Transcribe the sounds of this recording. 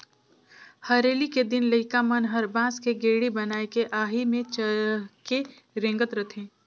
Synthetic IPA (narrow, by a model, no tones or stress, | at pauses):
hɐɾeːliked̪ɪnləɪkamənɦɐɾbãːskeɡeːɽibɐnaːekeʔaːɦimẽt͡ʃəke | ɾẽːŋɡət̪ɾɐt̪ʰẽː